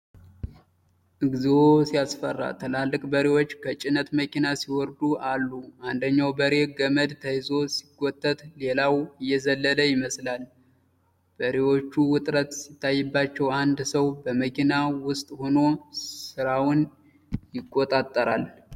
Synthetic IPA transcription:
ʔɨɡzwosijasfərːa̰t̪ʰəlalːɨkʼbəɾewo̞t͡ʃːkʰət͡ʃʼɪnət̪məkinasiwɔɾd̪uʔalːuʔand̪əɲːawbəɾe̞ɡəməd̪t̪ʰəjɨzo̞si̥ɡʼːot̪ʼːət̪le̞lawɨjːɛzəlːələjɪməslal | b̥əɾewo̞t͡ʃːuwʊt̪ʼɾət̪sɪt̪ʰːajːɛbːat͡ʃːɛwand̪səwbəməkʰinawʊst̪ʼho̞no̞sɨɾawʊn | jɪkʼːot̪ʼat̪ʼːəɾa̰l

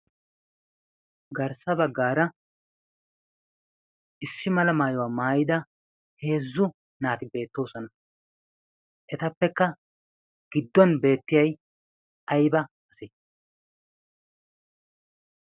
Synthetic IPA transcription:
ɡɐɾsɐbɐɡːaːɾɐ | ʔɪsːɪmɐlɐmaːjɔwaːmaːjɪd̪ɐ | he̞ːzːʊ | naːt̪ɪbe̞ːt̪ːo̞ːsɔnɐ | ʔɛt̪ɐpːɛkːɐ | ɡ̥ɪd̪ːɔnbe̞ːt̪ːɪjɐj | ʔɐjbɐ | ɐsɛ

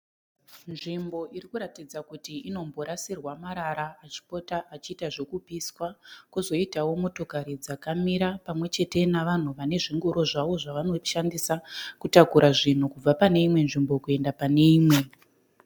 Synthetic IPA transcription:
nʐimbo̞ʔirikuɾatid͡zakutiino̞mbo̞ɾasirwamaɾaɾaːt͡ʃi̥po̞taʔat͡ʃiːtaʐo̞kupiswakuzo̞itawo̞moto̞kaɾid͡zakamiɾapamwe̞t͡ʃe̞te̞naʋan̤uʋane̞ʐiŋɡuɾo̞ʐaʋo̞ʐaʋano̞ʃandisakutakuɾʔaʐin̤ukub͡vapane̞imwe̞nʐimbo̞kue̞ndapane̞iːmwe̞

